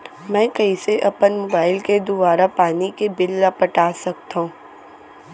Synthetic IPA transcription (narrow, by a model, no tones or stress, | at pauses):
mɛ̃ːkɐiseʔɐpənmoːbaːɪlked̪ʊbaːɾapaːnikebɪlːapɐʈaːsɐk̚t̪aɦũː